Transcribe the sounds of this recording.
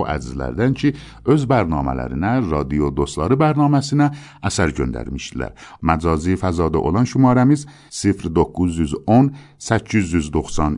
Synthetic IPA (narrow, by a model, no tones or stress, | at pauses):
ʔæ̰d͡ʒzlæ̰ɾd̪æncʰi | øzbæɾnɒːmæ̰læ̰ɾḭnæɾɑd̪ijod̪ost̪lɑːɾibæɾnɒːmæsinæ | ʔæsæɾɟønd̪æ̰ɾmiʃd̪ilæ̰ɾmæd͡ʒɒːzifæzɒːd̪aʔo̰lɑnʃumɑːɾæmiz | sifɾd̪okːuzyzon | sæcʰːyzyzd̪oxsɑn